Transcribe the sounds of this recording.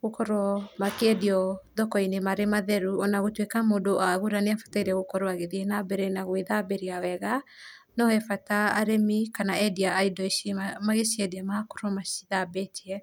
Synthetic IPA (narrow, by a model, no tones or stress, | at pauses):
ɣokɔɾɔmakeɛdiɔðɔkɔinemaɾemaðɛɾuɔnaɣotwekamoːdoʔaɣuɾaneafḁtaiɾɛɣokɔɾoaɣeðiɛnabɛɾɛnaɣweðabeɾiawɛɣa | nɔhɛfataːɾemikanaɛdiaːidɔimaɣesiɛdiɛmako̥ɾɔmasi̥ðabɛtiɛ